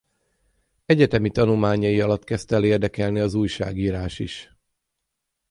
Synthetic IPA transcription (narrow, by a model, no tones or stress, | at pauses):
ɛɟɛt̪ɛmit̪ɒnulmaːɲɒjiɒlɒt̪kɛst̪ɛleːrd̪ɛkɛlniɒzuːjʃa̰ːɡiːɾaːʃiʃ